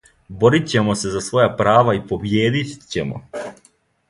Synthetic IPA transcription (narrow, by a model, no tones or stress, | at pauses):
bo̞ɾit͡ɕe̞mose̞zasʋo̞japɾaːʋaipo̞bjeːd̪it͡ɕḛmo̰